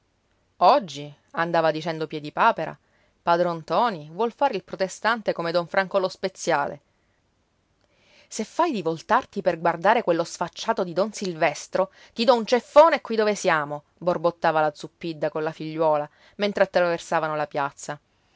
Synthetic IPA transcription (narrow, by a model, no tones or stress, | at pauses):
ɔd͡ʒːi | and̪aːvad̪it͡ʃɛnd̪opjɛd̪ipaːpeɾa̰ | pad̪ɾont̪ɔːnivwɔlfaːɾeilpɾot̪est̪ant̪ekomed̪ɔɱfɾaŋkolospet̪sːjaːlḛ | sefːajd̪ivolt̪art̪iperɡward̪aːɾekwelːosfat͡ʃːaːt̪od̪id̪ɔnsilvɛst̪ɾo | t̪id̪ɔunt͡ʃefːoːnekːwid̪ovesjaːmo | borbot̪ːaːvalad̪zupːid̪ːakonlafiʎːwɔːla | ment̪ɾeat̪ːɾaversaːvanolapjat̪sːa